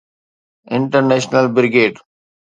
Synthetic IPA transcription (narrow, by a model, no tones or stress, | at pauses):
ɪ̃ɳʈəɾneːʃnəlbɪɾɡeːʈ